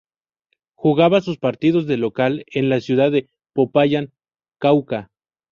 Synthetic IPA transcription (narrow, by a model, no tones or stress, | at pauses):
xuɣaβasuspaɾt̪iðo̞zðe̞lo̞kale̞nlasjuðaðe | popaʝan | kawka